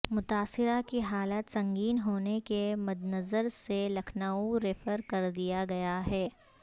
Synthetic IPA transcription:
mʊt̪aːsɪɾakiɦaːlaːt̪sɐ̃ŋɡiːnɦoːnekemɐd̪nɐzəɾselɐkʰnaːuɾeːfəɾkɐɾd̪ijaɡɐjaɦɛː

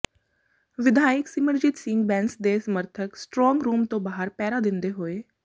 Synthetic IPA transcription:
ʋɪd̪ʱaːjɪksɪməɾd͡ʒɪt̪sɪ̃ŋɡbɛ̃ːnsd̪eːsəməɾt̪ʰəksʈɾɔ̃ːŋɡɾuːmt̪õːbaːɦəɾpɛːɾad̪ɪ̃nd̪eɦoːeː

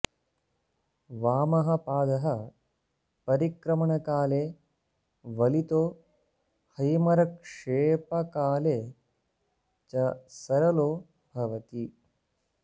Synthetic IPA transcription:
ʋaːmɐɦɐ̆paːd̪ɐɦɐ | pɐɾikɾɐmɐɳɐkaːleː | ʋɐlit̪oː | hɐjmɐɾɐkʂeːpɐkaːleː | t͡ʃɐsɐɾɐloː | bʱɐʋɐt̪i

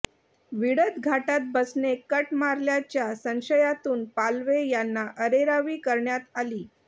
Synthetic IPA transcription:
ʋiɽət̪ɡʱaʈat̪̚bəsnekəʈmaɾljat͡ɕjasə̃ŋɕəjat̪uːnpalʋejanːaʔəɾeɾaʋiːkəɾɳjat̪aliː

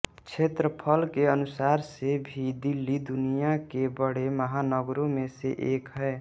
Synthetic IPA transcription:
t͡ʃʰeːt̪ɾəpʰəlkeənʊsaːɾsebʱid̪ilːid̪unijakebəɽ̤eməɦanəɡɾõmẽseʔeːkɦɛː

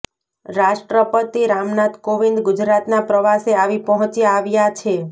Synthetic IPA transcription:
ɾaʃʈɾəpət̪iɾamnat̪koʋind̪ɡʊd͡ʒɾat̪napɾəʋaseaʋipɔɦɔ̃t͡ʃiaaʋjat͡ʃʰe

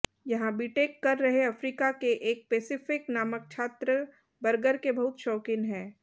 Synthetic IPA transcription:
jɐɦãbʱiʈeːkːɐɾːɐɦeɐfɾiːkakeʔeːk̚peːsɪfɪknaːmək̚t͡ʃʰaːt̪ɾə | bɐɾɡəɾkebɐɦʊt̪ʃɔːkɪnɦɛ̃ː

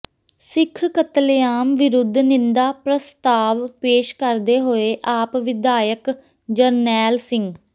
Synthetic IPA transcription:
sɪkʰkət̪ljaːmʋɪɾʊd̪ʱːnɪ̃nd̪aːpɾəst̪aːʋpeːʃkəɾd̪eːɦoːeːʔaːpʋɪd̪aːjək | d͡ʒəɾnɛːlsɪŋɡ

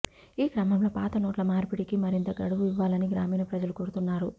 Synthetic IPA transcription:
iːkɾɐmɐmloːpa̰ːt̪ɐnoːʈlɐmaːɾpiɽikimɐɾint̪ɐɡɐɽuʋuiʋːaːlɐniɡɾaːmiːnɐpɾɐd͡ʒɐlukoːɾut̪unːaːɾu

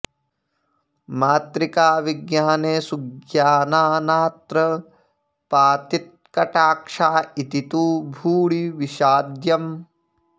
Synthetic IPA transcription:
maːt̪ɾikaːʋiɡjaːneːsuɡjaːnaːnaːt̪ɾɐ | paːt̪it̪̚kɐʈaːkʂaːit̪it̪uːbʱuːɭiʋiʃaːd̪jɐm

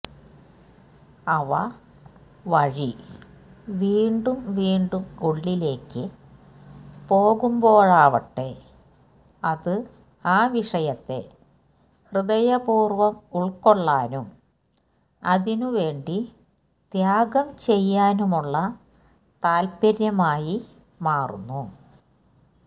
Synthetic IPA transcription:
ɐʋɐ̰ | ʋɐɻi | ʋiːɳɖumʋiːɳɖumuɭːile̞ːkːɨ | po̞ːɣumbo̞ːɻaːʋɐʈːe̞ | ɐðɨ | aːʋiʂɐjɐt̪ːe̞̰ | hrɨðɐjɐpuːrʋɐmuɭko̞ɭːaːnum | ɐ̰ðinuʋe̞ːɳɖi | d̪̥jaːɡɐmt͡ɕe̞jːaːnumuɭːɐ | t̪aːlpɐɾjɐmaːji | maːrṵnːu

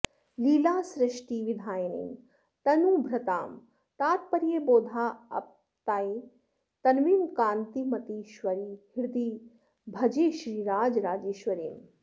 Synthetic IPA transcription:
liːlaːsɾɪʂʈiːʋid̪ʱaːjɐnḭːn | t̪ɐnuːbʱɾɐt̪a̰ːm | t̪aːt̪̚pɐɾjeboːd̪ʱaːɐ̰p̚ | t̪aːi | t̪ɐnʋiːnkaːnt̪imɐt̪iːʃʋɐɾiːhɪɾd̪iː | bʱɐd͡ʒeːʃɾiːɾaːd͡ʒɾaːd͡ʒeːʃʋɐɾeːm

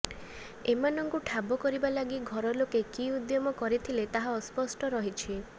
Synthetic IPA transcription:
emanɔŋkuʈʰabɔkɔɾibalaɡiɡʱɔɾɔlokekiud̪jɔmɔkɔɾit̪ʰilet̪aɦaɔspɔsʈɔɾɔɦit͡ʃʰi

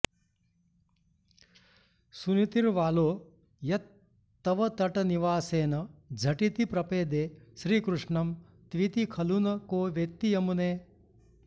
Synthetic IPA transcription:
sunit̪iɾʋaːloː | jɐt̪ː | ɐʋɐt̪ɐʈɐniʋaːseːnɐd͡ʒʱɐʈit̪ipɾɐpeːd̪eːʃɾiːkɾuʂɳɐm | t̪ʋit̪ikʰɐlunɐkoːʋjek̚t̪ijɐmuneː

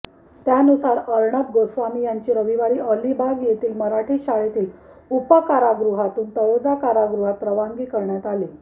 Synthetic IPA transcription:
t̪janusaɾəɾɳəb̚ɡosʋamiːjaɲt͡ɕiːɾəʋiʋaɾiːʔəlibʱaɡjet̪iːlməɾaʈʰiːɕaɭet̪iːl | upəkaɾaɡɾuɦat̪uːnt̪əjod͡zakaɾaɡɾuɦat̪̚ːɾəʋaŋɡiːkəɾɳjat̪ali

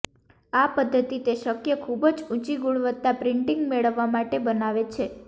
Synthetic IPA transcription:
apəd̪ʱːət̪it̪eʃəkjəkʰubd͡ʒũt͡ʃiɡuɭʋət̪ːapɾɪ̃ɳʈiŋɡmeɭəʋːamaʈebənaʋet͡ʃʰe

